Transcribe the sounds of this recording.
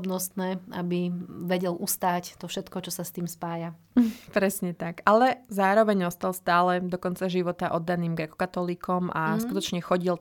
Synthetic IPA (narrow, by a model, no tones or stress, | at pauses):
bnɔst̪nɛːabiʋɛɟɛlʔust̪aːct̪ɔfʃɛt̪kɔt͡ʃɔsast̪iːmspaːja | pɾɛsɲɛt̪akalɛzaːɾɔʋɛɲɔst̪alˠst̪aːlɛd̪ɔkɔnt͡saʒiʋɔt̪aʔɔd̪ːaniːmɡɾɛkɔ̥kat̪ɔliːkɔmaskut̪ɔt͡ʃɲɛxɔɟil